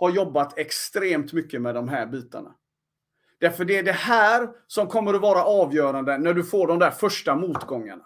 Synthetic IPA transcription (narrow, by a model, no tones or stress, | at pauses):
haɾjɔbːat̪ʰɛkst̪ɾeːmt̪mʏkːəmɛd̪ɔmɦæːɾbiːt̪a̰ɳa̰ | d̪̥æɾfœɖɛɖɛhæːɾsɔmkʰɔmːəɾɔvɑːɾaʔɑːvjœːɾand̪ənæɖɵfoːɖɔmd̪æːɾfœʂʈamuːt̪ɡɔŋːa̰ɳa